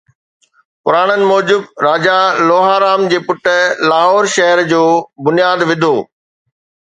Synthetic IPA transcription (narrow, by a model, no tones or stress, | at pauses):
pʊɾaːɽ̃ənɪ̆mɔːd͡ʑʊbɾaːd͡ʑaloːɦaːɾaːmd͡ʑeːpʊʈəlaːɦɔːɾʃɐɦəɾd͡ʑoːbʊnijaːd̪ʋɪd̪ʱoː